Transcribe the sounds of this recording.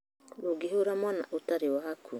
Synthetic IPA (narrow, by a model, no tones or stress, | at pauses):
loɡeɦoɾamwana̰ʔutaɾewahakʰu